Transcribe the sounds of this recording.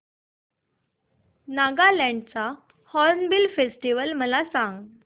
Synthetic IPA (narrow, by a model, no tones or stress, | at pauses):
naɡalɛ̃ɳɖt͡sa | hɔɾnbilfesʈiʋəlməlasãŋɡ